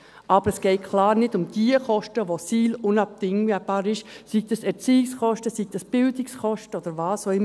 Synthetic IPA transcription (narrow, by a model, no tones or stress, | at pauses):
ʔɑbəɾəsɡ̥ɛɪkʰlɑːɾnɪdʊmd̥iəχɔʃtəʋosiːlʊnɑp̚dɪŋəb̥ɑːɾɪʃsiɡ̥̚d̥ɑsɛɾt͡siːɪksχɔʃtəsiɡ̥̚d̥̪ɑsb̥ɪld̪ɪksχɔʃtəɔd̪əɾʋɑːsoɪm